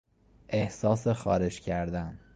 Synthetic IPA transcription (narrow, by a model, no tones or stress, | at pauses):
ʔe̞hsɒːsexɒ̰ːɾe̞d͡ʒcʰæɾd̪æn